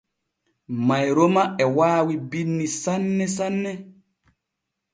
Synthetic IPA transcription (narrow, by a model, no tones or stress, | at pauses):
majɾɔmaɛwaːwibinːisanːɛsanːɛ